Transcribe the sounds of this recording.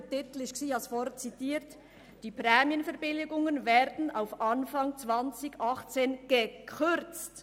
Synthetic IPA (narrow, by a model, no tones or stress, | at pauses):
tɪtlɪçksiːɑsfɔrtt͡sitiːɾt | d̥iːpʁɛːmjənfɛʁbɪlɪɡʊŋənvɛːɾdn̩aʊfʔɑnfɑŋt͡sv̥ɑnt͡sɪçʔɑχt͡seːnɡ̥əkʰʏɾt͡st